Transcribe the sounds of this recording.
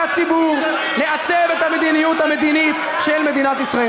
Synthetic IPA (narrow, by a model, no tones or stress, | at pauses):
at͡sibuʁ | le̞at͡sevet̪ame̞d̪inijut̪hame̞d̪init̪ | ʃelme̞d̪inat̪isʁae